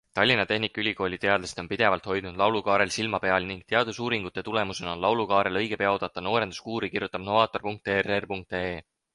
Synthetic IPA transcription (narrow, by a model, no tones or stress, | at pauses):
t̪ɑlʲːinɑt̪e̞ɦnikːˑylʲiko̞ːlʲit̪e̞ɑd̪lest̪o̞npid̪̥e̞vɑlt̪ho̞jd̪̥nud̪lɑwlukɑːɾe̞lsilmɑpe̞ɑlniŋɡ̥̚t̪e̞ɑd̪usuːɾiŋɡ̥ut̪ːˑe̞t̪ule̞muse̞nonlɑwlukɑːɾe̞lɤjɡ̥e̞peɑod̪ɑt̪ːˑɑno̞ːɾe̞nu̥skuːɾikirjut̪ːˑɑb̥no̞vɑːt̪ːˑo̞rpuŋk̚t̪ererpuŋk̚t̪eː